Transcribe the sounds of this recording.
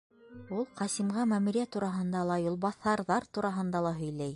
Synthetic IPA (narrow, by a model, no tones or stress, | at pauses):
ulˠqɑsimʁɑmæmɘɾijæt̪uɾɑɦɤ̆nd̪ɑlˠɑjulˠβɑθːɑɾðɑɾt̪uɾɑɦɤ̆nd̪ɑlˠɑɦɵ̆jlæj